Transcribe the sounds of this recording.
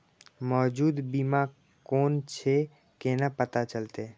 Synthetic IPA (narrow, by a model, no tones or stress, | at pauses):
mɔːd͡ʒuːd̪bima | koːnt͡ʃʰe | kenapət̪at͡ʃəlt̪e